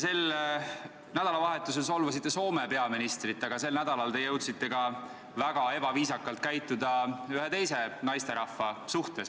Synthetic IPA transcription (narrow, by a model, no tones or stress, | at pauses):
se̞l | næd̪̥ɑlɑvɑɦe̞t̪ːˑus̬elso̞lvɑsit̪ˑːe̞so̞ːme̞pe̞ɑminist̪rit̪ːˑɑɡ̥ɑse̞lnæd̪̥ɑlɑlt̪e̞jɤwt̪sit̪ːˑe̞ɡ̥ɑ | væɡ̥ɑe̞b̥ɑviːsɑkːˑɑlt̪̚kæjt̪ːˑud̪̥ɑyɦe̞t̪e̞jse̞nɑjst̪e̞ɾɑfːɑsuht̪e̞s